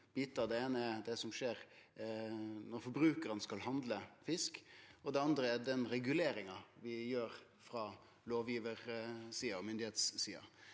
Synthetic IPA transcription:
b̥iːt̪ɑd̪ɛeːnəɛd̪ɛsɔmʂeːɾ | nɔɾfɔɾbɾʉːkəɾənskɑlhɑnd̪ləfɪskɔd̪ɛɑnd̪ɾəæd̪ɛnɾɛɡʉleːɾɪŋɑʋɪjøːɾ | fɾɑ | loːʋjiːʋəɾsiːɑɔmʏnd̪ɪheːt̪sːiːɑ̰

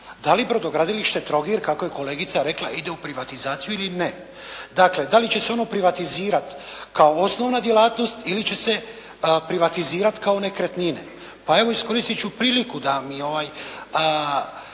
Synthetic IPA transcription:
d̪alibɾo̞d̪o̞ɡɾad̪iliʃt̪e̞t̪ɾo̞ɡiɾkako̞je̞ko̞le̞ːɡit̪saɾe̞klaid̪e̞upɾiʋat̪izaːt̪sijuiline | d̪akle̞d̪alit͡ɕe̞se̞o̞nopɾiʋat̪iziːɾat̪kao̞o̞sno̞ʋnad̪je̞lˠaːt̪no̞st̪ilit͡ɕe̞se̞ | pɾiʋat̪iziːɾat̪kao̞ne̞kɾet̪ninḛ | pae̞ʋo̞isko̞ɾist̪it͡ʃupɾiːlikud̪amio̞ʋajə

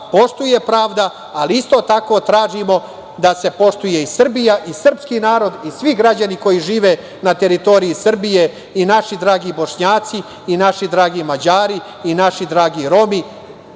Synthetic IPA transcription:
po̞ʃt̪uje̞pɾaːʋd̪aː | liist̪o̞t̪ako̞t̪ɾaːʒimo̞ | d̪ase̞po̞ʂt̪uje̞isr̩bijaʔisr̩pskinaːɾo̞d̪isʋiɡɾad͡ʑaniko̞jiʒiːʋe | nat̪e̞ɾit̪o̞ɾiisr̩bije̞ | inaʃid̪ɾaːɡibo̞ʃɲaːt̪siː | naʃid̪ɾaːɡimad͡ʑaːɾiː | naʃid̪ɾaːɡiɾo̞mi

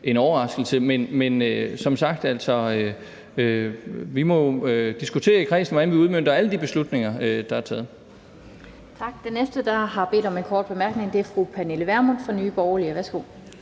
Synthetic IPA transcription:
ʔe̝nɒːɐʁɑ̈sɡ̥l̩səmenmenøsɒ̽msɑ̈ɡ̥d̥æl̰sɒ̽ | øʋimɒ̽ød̥isɡ̥ut͡sʰe̝̰ːɐikʰʁɛ̰ːsn̩ʋɒd̥ænʋiuð̞ˠmøn̰d̥ɐæləd̥ib̥e̝slud̥ne̝ŋɐød̥ɑ̈æɐt͡sʰɛ̰ːð̩ˠ | t͡sʰɑ̈ɡ̥̚d̥enesd̥əd̥ɑ̈ɦɑ̈b̥e̝̰ːdɒ̽me̝nkʰɒ̰ːd̥̚b̥e̝mæɐɡ̥ne̝ŋd̥e̝æɐfʁupʰæneləʋæɐmonfʁɑnyːb̥ɒʊɐliəʋæɐsɡ̥o̝̰

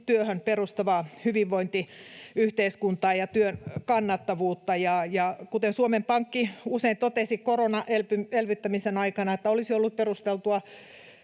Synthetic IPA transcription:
t̪yøhønperust̪ɑʋɑhyʋiʋʋoint̪iyht̪eiskunt̪ɑːjɑt̪yønkɑnːɑt̪ːɑʋuːt̪ːɑjɑjɑkut̪ensuomempɑŋkːiuseint̪ot̪esikoronɑʔelpyelʋyt̪ːæmisenɑikɑnɑet̪ːæolisiolːup̪̚perust̪elt̪uɑ

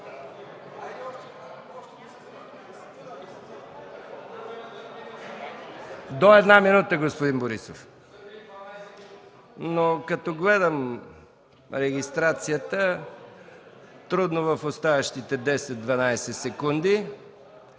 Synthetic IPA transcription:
d̪oɛd̪naminut̪əɡospʊd̪inboɾisof | nokɐt̪ɔɡlɛd̪əm | ɾɛɡʲist̪ɾat̪sijət̪ə | t̪ɾud̪novəfost̪avɐʃt̪it̪ɛd̪ɛsɛt̪̚d̪vɐnajsɛsɛkund̪i

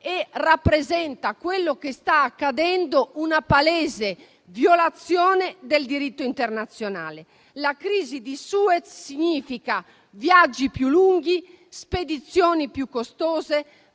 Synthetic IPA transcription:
ɛrapːɾezɛnt̪akwelːokest̪aːkːad̪ɛnd̪ounapalɛːze | vjolat̪sːjɔːnɛd̪eld̪iɾit̪ːoint̪ɛrnat̪sːjona̰ːle | lakɾiːzid̪isuːɛt̪siɲːiːfika | vjad͡ʒːipjuluŋɡi | sped̪it̪sːjɔːnipjukːost̪ɔːze

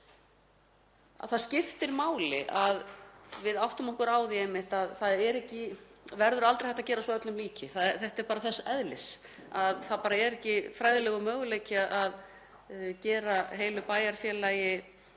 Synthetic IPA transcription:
a̰ðθaðscɪft̪ɪɾmaːwlɪ̰ʔaðvɪðawht̪ʏmɔhkʏɾaːwðiejmːɪht̪aðθaðɛɾɛhcɪvɛɾðʏɾalt̪ɾejhɛht̪acɛːɾasvɔœt̪lʏmliːcɪθaθɛht̪ɛɾpaːɾaθɛsːɛðlɪsaðθaðpaːɾaɛɾɛhcɪfɾajðɪlɛːɣʏmœːɣʏleːjcɪaʔað | cɛːɾaɦeːjlʏpaːjaɾ̥fjɛːlajɪ

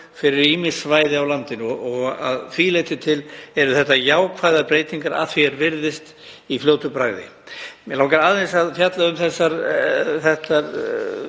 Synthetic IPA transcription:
fɪɾɪɾiːmɪsvaːjðɪawlant̪ɪnɔɔɣa̰ðθvilejt̪ɪt̪ʰɪlɛɾʏθɛht̪ːajaːwkʰvajðapɾeːjt̪iŋkaɾa̰θviɛɾvɪɾðɪst̪ | ifljoːwt̪ʏpɾaɣðɪ̰ | mɛlaːwŋkaɾaðvɛnsaðfjat̪laʏmθɛsːaɾθɛht̪aɾ

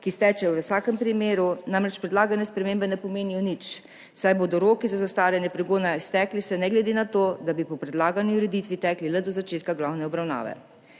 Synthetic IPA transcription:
kist̪ɛːt͡ʃɛwʋəsaːkɛmpɾimeːɾunãmɾɛt͡ʃpɾɛd̪laːɡanɛspɾɛmeːmbɛnɛpɔmeːnijɔnit͡ʃ | sajboːd̪ɔɾoːkizazast̪aːɾjɛnjɛpɾɛɡoːnaist̪ɛːklisɛnɛɡlɛd̪eːnat̪oːd̪abipɔpɾɛd̪laːɡanjiuɾɛd̪it̪ʋit̪ɛːklilɛd̪ɔzat͡ʃeːt̪kaɡlawnɛɔbɾawna̰ːʋɛ̰

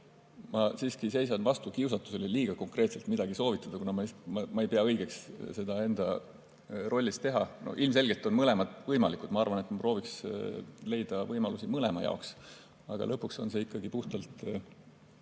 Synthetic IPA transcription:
mɑsiːskise̞jsɑnvɑst̪ukiusɑt̪ːˑuse̞leliːɡ̥ɑko̞ŋkre̞ːt̪selt̪mid̪̥ɑɡ̥iso̞ːvit̪ːˑɑd̪ɑkunɑmɑmɑmɑe̞jpeɑɤjɡ̥e̞ksse̞d̪̥ɑe̞nd̪̥ɑ | rʔo̞lʲːist̪e̞ɦɑ̰no̰ʔilms̬e̞lʲɡ̥e̞lt̪ːˑo̞nmɤle̞mɑd̪̥vɤjmɑlikːˑud̪̥mɑɑrvɑne̞t̪mɑpro̞ːviks | le̞jd̪̥ɑvɤjmɑlusimɤlemɑ̰jɑ̰oks | ɑ̰ɡ̥ɑ̰lʔɤpːˑukso̞̰nse̞ikːˑɑɡ̥ipuht̪ɑlt̪

